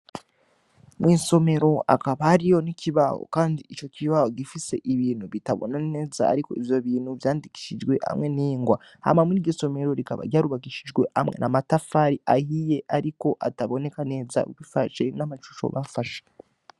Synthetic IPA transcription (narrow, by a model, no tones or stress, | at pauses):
mŋiːso̞me̞ɾo̞a̰kaβahɾijo̞niciβaho̰kaːndiit͡ʃo̞cʰiβaho̞ɟifise̞ʔiβiːnhuβitaβo̰nane̞ːza̰ːɾiko̞̰ivjo̞βiːn̥huvjaːndiki̥ʃid͡ʒɡwe̞a̰mŋe̞niːŋɡwa | ha̰mamuiɟiso̞me̞ɾo̞ɾikaβa̰ɾɟaːɾuβakiʃid͡ʒɡwe̞hamŋe̞̰nʔamatafaɾiahije̞ʔaɾiko̞ʔataβo̞ne̞kane̞ːza̰ṵwifaʃe̞namaʃu̥ʃo̰βafaʃe̥